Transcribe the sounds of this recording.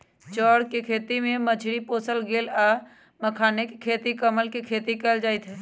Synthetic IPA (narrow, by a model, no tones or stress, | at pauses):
t͡ʃɔːɽkekʰeːt̪imẽməd͡ʒʱɽipoːsəlɡeːlaː | məkʰaːnekekʰeːt̪ikəməlkekʰeːt̪ikɛːld͡ʒaːɪt̪ʰɦɛː